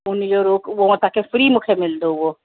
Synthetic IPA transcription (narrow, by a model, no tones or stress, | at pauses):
ʊnid͡ʒoɾuːkʋõt̪akefɾiːmʊkʰemɪld̪oɦwo